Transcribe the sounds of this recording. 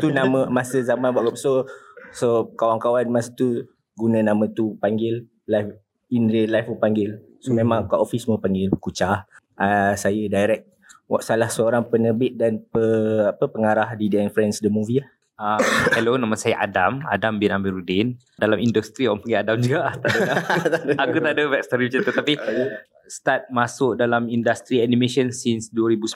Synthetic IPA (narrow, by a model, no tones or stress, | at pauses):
t̪unãmə̃masəzamanwaʔɡapsosokawaŋkawanmasə̥t̪u | ɡunə̃nãmə̃t̪upaŋɡɪl | lajf | inɾilajfupaŋɡɪl | somẽmãŋkaʔofisməpaŋɡɪlkut͡ʃah | ʔasajədajɾɛk̚ | wa̰ʔsalahsəoɾaŋpənərbɪt̪̚danpəapəpəŋaɾahdidəɛnfɾɛnsdəmũviah | amkɛlonãmasajaʔa̰dama̰dambinamiɾudɪn | dalamindust̪ɾiɔpaŋɡiadamd͡ʒuɡaʔt̪adəaakut̪aʔdəvɛk̚st̪oɾibət͡ʃət̪ət̪api | st̪at̪̚masʊʔdalamindast̪ɾianimeʃənsinsduwəɾibus